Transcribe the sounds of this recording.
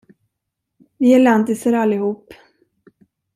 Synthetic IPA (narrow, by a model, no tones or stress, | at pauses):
vɪæland̪ɪsəɾalːɪhuːp